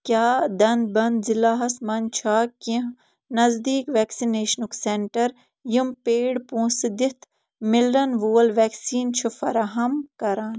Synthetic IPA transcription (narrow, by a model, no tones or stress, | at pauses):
kʲjaːd̪ɐ̃nd̪̚bɐnd̪zilaːɦɐsmɐnt͡ʃʰaːkĩɦ | nɐzd̪iːkʋɛːksineːʃnukseɳʈɐɾ | jimpeːɽpũːsd̪it̪ʰ | mɪlɖɐnʋoːlʋɛːksiːnt͡ʃʰufɐ̰ɾaɦɐmkɐɾaːn